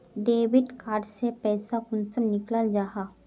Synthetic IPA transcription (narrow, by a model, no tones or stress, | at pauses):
ɖeːʋɪɖkaːɾɖsepɛːsakʊnsənnɪkləld͡ʒaːɦaː